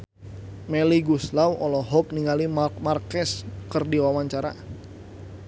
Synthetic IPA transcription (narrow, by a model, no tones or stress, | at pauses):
mɛliɡuslawʔɔlɔɦɔp̚niŋalimmarkɛskɨrdiwawaɲt͡ʃaɾa̰